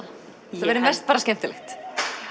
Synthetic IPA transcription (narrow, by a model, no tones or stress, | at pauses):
θaɛɾɪmɛst̪paːɾascɛm̥t̪ɪlɛ̰xt̪